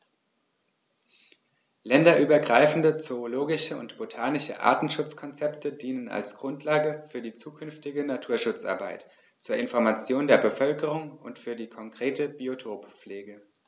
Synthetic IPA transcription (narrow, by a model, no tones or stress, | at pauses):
lɛndɐʔyːbɐɡʁaɪfn̩dət͡sooloːɡɪʃəʊ̰ntb̥otʰaːnɪʃə̰ʔa̰ɐtn̩ʃʊt͡skʰɔnt͡sɛptʰədiːnəna̰lsɡ̥ʁʊntʰlaːɡəfyːɐdiːt͡suːkʰʏnftɪɡənatʰuːɐʃʊt͡sʔa̰ɐba̰ɪt | t͡suːɐɪnfɔɐmat͡sjoːndeːɐbəfœlkəʁ̞ʊŋʊntfyːɐdiːkʰɔŋkʁ̥eːtəbiotʰoːpp͡fleːɡə